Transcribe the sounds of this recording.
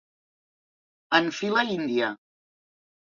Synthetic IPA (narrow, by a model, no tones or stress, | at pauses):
ənfiləind̪iə